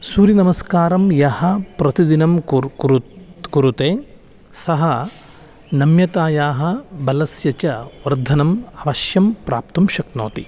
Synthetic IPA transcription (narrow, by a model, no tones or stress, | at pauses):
suːɾinɐmɐskaːɾɐmjɐhɐpɾɐt̪id̪inɐmɾkuɾut̪eː | sɐɦɐ | nɐmjɐt̪aːjaːɦɐ̆bɐlɐsjɐt͡ʃɐʋɐɾd̪ʱɐnɐmɐʋɐʃjɐmpɾaːp̚t̪umʃɐkno̰ːt̪i